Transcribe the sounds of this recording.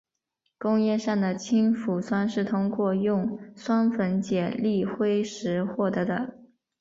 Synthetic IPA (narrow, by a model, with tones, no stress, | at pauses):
kʊ˥ŋjɛ˥˧ʂa˥˩ŋd̪ə˩t͡ɕʰi˥nfu˨˩swa˥nʂɻ̩˥˩t̪ʰʊ˥ŋkwɔ˥˧jʊ˥˩ŋswa˥nfə˧˥nt͡ɕjɛ˨˩li˥˩xwe˥ɪʂɻ̩˧˥xwɔ˥˩t̪ɤ˧˥d̪ə˧